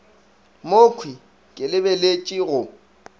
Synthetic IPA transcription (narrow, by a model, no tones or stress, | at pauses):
mokʰwi | kʼɪlɪbɛlet͡ʃʼiɣʊ